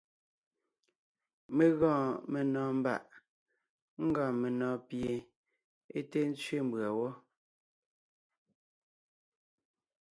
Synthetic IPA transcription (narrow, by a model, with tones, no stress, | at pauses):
me˨ɣɔ̃ː˦˨me˨nɔ̃ː˨m̩˦ba̰˨ʔ | ŋ̩˦ɡã˨me˨nɔ̃ː˨pje˨ | e˦te˦n̩˦t͡sɥe˦˨m̩˨bɰa˨wɔ˦